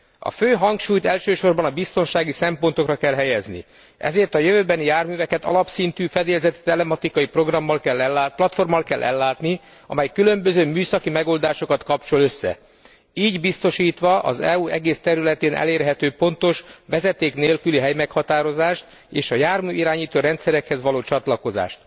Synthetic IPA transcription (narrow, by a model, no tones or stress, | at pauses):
ɒ̰føːɦɒŋkʃuːjt̪ɛlʃøːʃo̞rbɒnɒbist̪o̞nʃaːɡisɛmpo̞nt̪o̞krɒkɛlɦɛjɛznḭ | ɛ̰zeːrt̪ɒjøvøːbɛnijaːrmyːvɛkɛt̪ɒ̰lɒpsint̪yːfɛd̪eːlzɛt̪it̪ɛlɛmɒt̪ikɒjipro̞ɡrɒmːɒlkɛlːɛlːaplɒt̪fo̞rmːɒlkɛlʔɛ̰lːaːt̪ni | ɒ̰mɛjkylø̞mbøzøːmyːsɒkimɛɡo̞ld̪aːʃo̞kɒt̪kɒpt͡ʃo̞lø̞sːɛ̰ | iːɟbist̪o̞ʃiːt̪ʋɒʔɒ̰zɛuɛɡeːst̪ɛɾylɛt̪eːnʔɛ̰leːrɦɛt̪øːpo̞nt̪o̞ʃʋɛzɛt̪eːkneːlkyliɦɛjmɛkhɒt̪aːɾo̞zaːʃt̪ | eːʃɒjaːrmyːiɾaːɲiːt̪oːɾɛnt̪sɛɾɛkhɛzʋɒloːt͡ʃɒt̪lɒko̞za̰ːʃt̪